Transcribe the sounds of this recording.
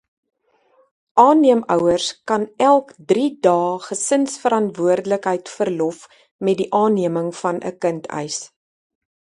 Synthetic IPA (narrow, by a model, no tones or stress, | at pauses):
ʔɑːniəmœwərskɐnælˠkdridɑːχəsənsfəɾɐntvuərdələkɦəjtfərlɔf | mɛt̚diʔɑːnːiəməŋfɐnʔə̰kəntʰœ̰js